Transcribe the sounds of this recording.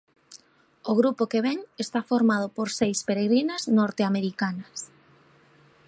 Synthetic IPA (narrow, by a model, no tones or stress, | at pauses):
oɣ̞ɾupokeβeŋest̪afoɾmað̞opoɾsejspeɾeɣɾinaznoɾt̪eameɾikanɐs